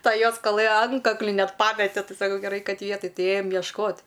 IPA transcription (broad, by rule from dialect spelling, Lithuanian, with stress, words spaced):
ˈtɐ ˈjoːs kɐˈlˠɘ ˈɐntkɐklʲɪ ˈnʲɛt ˈpɑːmʲɛtʲɛ ˈtʲɪ sɐˈkɐʊ ɡʲɛˈrɐɪ ˈkɐt ˈʋʲiɛtɐj ˈtʲɪ ˈeːjɛm jiɛʃˈkoːt